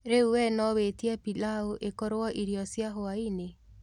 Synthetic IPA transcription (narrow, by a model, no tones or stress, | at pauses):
ɾeuwɛnɔwetiapilaoʔekɔɾwɔʔiɾjɔsjaɦoaine